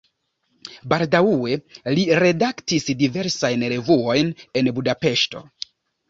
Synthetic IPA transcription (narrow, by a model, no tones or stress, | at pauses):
baldawuwe̞liɾe̞daktisdive̞ɾsajnɾe̞vuo̞jne̞nbudape̞ʃto̞̰